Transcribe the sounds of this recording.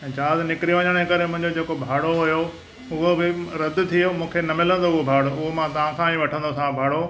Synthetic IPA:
d͡ʑaːznɪkɾiʋəɲəɽ̃ekɐɾemʊ̃ɦɪ̃ɲd͡ʑod͡ʑeːkobʱaːɽoɦʊjo | ʊɦobɪɾɐd̪ʱʊ̆t̪ʰijomũːkʰenɐmɪlə̃n̆d̪oʊɦobʱaːɽoʊɦomãt̪ɐʋ̤ãkʰãːĩʋɐʈʰə̃nd̪osãbʱaːɽo

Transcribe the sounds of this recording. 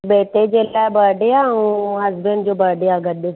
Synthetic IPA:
beːʈ̪eːd͡ʒeːlabaːɖeaũːɦɐzbənd͡ʒoːbaːɖeaːɡəd̪e

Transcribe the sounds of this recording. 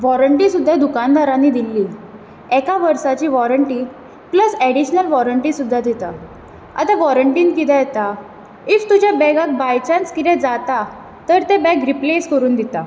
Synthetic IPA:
ʋɔɾəɳʈĩsud̪ʱːad̪ukand̪aɾanːid̪ilːi | ɛkaʋəɾsat͡ɕiːʋɔɾəɳʈi | pləsɛɽiɕnəlʋɔɾəɳʈisud̪ʱːad̪it̪a | a̰t̪aʋɔɾəɳʈiːnkit̪ɛ̃jɛt̪a | ift̪ud͡ʑjabɛɡak̚bajt͡ɕãnt͡skit̪ɛ̃d͡zat̪a | t̪əɾt̪ebɛkɾipleskəɾuːnd̪it̪a

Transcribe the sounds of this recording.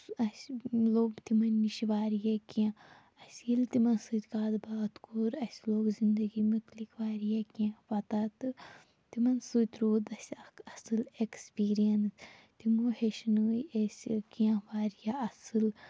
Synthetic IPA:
ɐsloːɡt̪imɐnːiʃiʋaːɾijakiã | ɐsʲilt̪imɐnsɨt̪ʲkaːd̪baːt̪kʰoːɾɐsʲloːɡzind̪ɐɡimut̪likʰʋaːɾijakiãʋɐt̪at̪ɨ | t̪imɐnsut̪ʲɾoːd̪ɐsʲɐkɐsɨlekspiːɾijɐnst̪imuheʃnəːjɐsʲkiãʋaːɾijaɐsɨl

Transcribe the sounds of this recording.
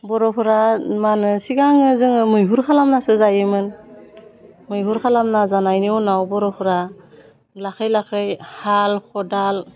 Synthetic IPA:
bɔɾɔpʰɔɾamanɯsiɡaŋɯzɯŋɯmɯjɦuɾkʰalamnasɯzajɯmɯn | mɯjɦuɾkʰalamnazanajnɯwnawbɔɾɔpʰɯɾa | lakʰɯjlakʰɯjhalxʰɔdal

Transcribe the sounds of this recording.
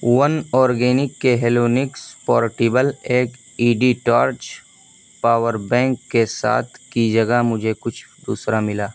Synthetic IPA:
wənɔːɾɡeːnɪkːeɦeːloːnɪkspɔːɾʈiːbəleːk | iːɖiʈaːɾt͡ʃ | paːwəɾbɛ̃ːŋkːesa̰ːt̪ʰkid͡ʒəɡəmʊd͡ʒʱekʊt͡ʃʰ | d̪ṵːsɾamɪlaː

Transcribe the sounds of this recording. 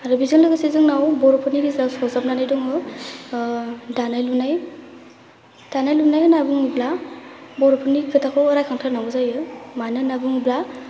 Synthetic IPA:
aɾɯbizɯnlɯɡɯsezɯŋnawbɔɾɔpʰɔniɾizasɔzap̚nanajdɔŋɯ | danajlunaj | d̥anajlunajɯnabuŋublabɔɾɔpʰɯniɡʰɯtʰakʰɯɔɾajkʰaŋtʰanaŋɯzajɯmanɯnabuŋubla

